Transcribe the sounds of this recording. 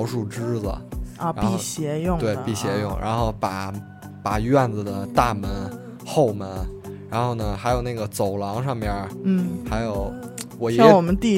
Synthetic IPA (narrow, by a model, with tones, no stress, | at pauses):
ʊʂu˥˩ʈ͡ʂɻ̩˥d͡zə̰˩˧a̰˧pi˥˧˩ɕjɛ˧˥jʊ˥˧ŋt̪we˥˩ɪpi˥˩ɕjɛ˧˥jʊ˥˩ŋɻʔa̰˧˥nxo˥˩ʊpa˨˩˦ | pa˨˩ɥɛ˥˩nd͡z̩˩d̪ə˩t̪a˥˩mə˧˥n | xo˥˩ʊmə˧˥nɻa˧˥nxo˥˩ʊnə˩xa˧˥ɪjo˨˩ʊna˥˩ɡə˩t͡so˨˩ʊlɑ˧˥ŋʂɑ˥˩ŋpjə˧˥n̩˥˩xa˧˥ɪjo˨˩˦ʊ | wɔ˨˩jɑ˥ŋwɔ˨˩mə˦nt̪i˥˩